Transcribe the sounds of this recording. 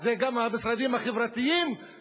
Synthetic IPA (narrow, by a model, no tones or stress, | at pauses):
zeɡamhabisʁad̪imhaχevʁat̪iim